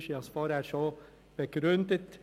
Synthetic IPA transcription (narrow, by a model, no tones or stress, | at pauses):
ʃiɑsʋɑːɾəæːɾʂɔ | b̥əɡɾʉnd̪ət̪